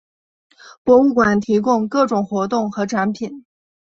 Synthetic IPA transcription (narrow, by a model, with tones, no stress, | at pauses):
pwɔ˧˥u˥˩kwa˨˩nt̪ʰi˧˥kʊ˥˧ŋkɤ˥˩ʈ͡ʂʊ˨˩ŋxwɔ˧˥t̪ʊ˥˩ŋxɤ˧˥ʈ͡ʂʰa˧˥npʰi˨˩˦n